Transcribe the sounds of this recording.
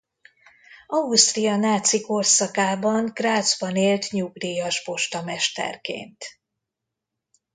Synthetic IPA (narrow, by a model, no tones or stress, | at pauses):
ɒust̪rijɒnaːt̪siko̞rsɒkaːbɒŋɡ̥raːd̪zbɒneːlt̪ɲuɡd̪ijɒʒbo̞ʃt̪ɒmɛʃt̪ɛ̰rkḛːnt̪